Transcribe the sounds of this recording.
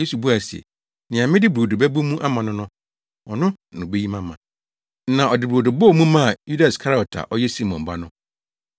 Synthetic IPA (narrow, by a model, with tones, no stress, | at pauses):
je˦su˨bu˦a˨sɛ̰˨ | nɪ̃˨ã˨mɪ̃˦dɪ˦bɾo˨du˨bɛ˦bu˦mũ˦ʔa˦mã˨nʊ̃˦nʊ̃˦ | ɔ˨nʊ̃˦ | nʊ̃˨be˦ji˦mã˦mã˨˦ | nã˨ʔɔ˨dɪ˨bo˨dʊ˨bɔ˦˨mũ˦mã˦˨ju˦da˨skʰa˦ɾa˦˨ɔ˨tʰa̰˨ʔɔ˦jɛ˦si˦mɔ̃˨m˨ba˦nʊ̃˦